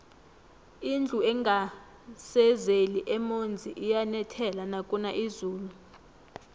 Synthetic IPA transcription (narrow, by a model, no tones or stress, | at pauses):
ind͡ɮʱuɛŋɡʱa | sɛzeliʔɛmond͡zʱiʔijanɛtʰɛlanakʼunaʔizuːlu